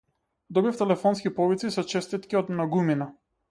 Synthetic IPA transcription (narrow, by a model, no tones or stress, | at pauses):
d̪ɔbift̪ɛlɛfɔnskʲipɔvit̪sisɔt͡ʃɛst̪it̪kiɔd̪mnaɡumina